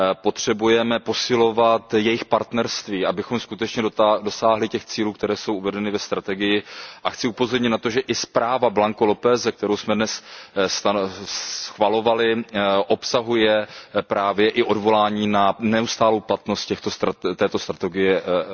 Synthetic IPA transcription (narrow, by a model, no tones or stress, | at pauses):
po̞t̪r̝̥ɛbujɛmɛpo̞sɪlo̞vat̪jɛjɪxpaɾt̪nɛɾst̪viːʔabɪxo̞mskut̪ɛt͡ʃɲɛdodo̞saːɦlɪcɛxt͡siːluːkt̪ɛɾɛːsowʔuvɛdɛnɪvɛst̪ɾat̪ɛɡɪjɪʔaxt͡sɪupozo̞ɾɲɪt̪nat̪o̞ʒɛʔɪspɾaːvablaŋkolopɛːzɛk̚t̪ɛɾowsmɛdnɛsst̪a | xvalo̞valɪʔo̞psaɦujɛpɾaːvjɛʔɪʔo̞dvo̞laːɲiːnanɛust̪aːlowplat̪no̞st̪cɛxt̪ost̪t̪ɛːt̪o̞st̪ɾat̪ɛɡɪjɛ